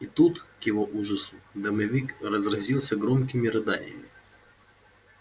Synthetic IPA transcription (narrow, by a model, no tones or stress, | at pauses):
it̪ut̪kjɪvoʔuʐəsʊd̪ɐmɐvʲikrɐzɾɐzʲilˠsʲəɡɾomkʲɪmʲɪɾɨd̪ajə̰mʲɪ